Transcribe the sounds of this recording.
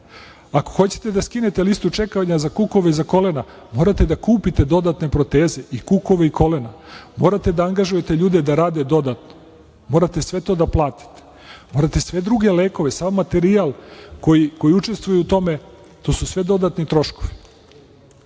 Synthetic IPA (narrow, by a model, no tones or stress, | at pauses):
akoxo̞t͡ɕe̥t̪ed̪askine̞t̪e̞list̪ut͡ʃe̞kaʋaɲazakuko̞ʋeizako̞le̞na | mo̞ːɾat̪e̞d̪akuːpit̪e̞d̪o̞d̪at̪ne̞pɾo̞t̪e̞ːze̞ʔikuko̞ʋeikʰo̞le̞namo̞ːɾat̪e̞d̪aaŋɡaʒuje̞t̪eʎuːd̪e̞d̪aɾaːd̪e̞d̪o̞d̪at̪no | mo̞ːɾat̪e̞sʋe̞t̪o̞ːd̪aplˠaːt̪i̥t̪e̥ | mo̞ːɾat̪e̞sʋe̞d̪ɾuɡe̞le̞ːko̞ʋesamːat̪e̞ɾialˠkoiko̞jiut͡ʃe̞st̪ʋujut̪o̞me̞ | t̪o̞ːsusʋe̞d̪o̞d̪at̪nit̪ɾo̞ʃko̞ʋi̥